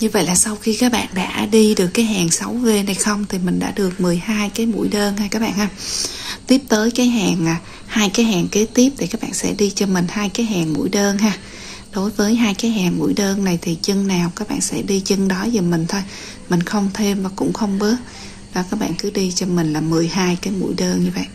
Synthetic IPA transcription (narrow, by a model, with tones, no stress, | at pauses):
ɲɨ˧və̰˧˨jlaː˨˩sa˧wxi˧kaː˦˥k̚ɓa̰ː˧˨nɗa̰ː˧˥ɗi˧ɗɨ˨˩əkːaː˨˦jɦaː˨˩ŋsa˨˦wve˧˩na˨˩jxə˧wŋ͡mt̪ʰi˨˩mï˨˩ŋ̟ɗa̰ː˧˥ɗɨ˨˩ək̚mɨ˨˩əjhaː˧jkaː˨˦jmṵ˧˥jɗəː˧nhaː˧kaː˦˥k̚ɓa̰ː˧˨ʔhaː˧˩t̪i˦˥əp̚t̪əː˨˦jkaː˨˦jɦaː˨˩ŋa˨˩ | haː˧jkaː˨˦jɦaː˨˩ŋke˨˦t̪i˦˥əp̚t̪i˨˩kaː˦˥k̚ɓa̰ː˧˨nsɛ̰˧˥ɗi˧t͡ɕɔ˧mï˨˩ŋ̟haː˧jkaː˨˦jɦaː˨˩ŋmṵ˧˥jɗəː˧nɦaː˧ | ɗo˨˦jvəː˨˦jɦaː˧jkaː˨˦jɦaː˨˩ŋmṵ˧˥jɗəː˧nna˨˩jt̪ʰi˨˩t͡ɕɨ˧ŋnaː˨˩wkaː˦˥k̚ɓa̰ː˧˨nsɛ̰˧˥ɗi˧t͡ɕɨ˧ŋɗɔ˨˦zəː˨˩mï˨˩ŋ̟t̪ʰo˧j | mï˨˩ŋ̟xə˧wŋ͡mt̪ʰe˧mvaː˨˩kʊ̰˧˥ŋ͡mxə˧wŋ͡mɓɨ˦˥ət̚ | ɗɔ˨˦kaː˦˥k̚ɓa̰ː˧˨nkɨ˨˦ɗi˧t͡ɕɔ˧mï˨˩ŋ̟laː˨˩mɨ˨˩əjhaː˧jkaː˨˦jmṵ˧˥əjɗəː˧nɲɨ˧və̰˧˨jʔ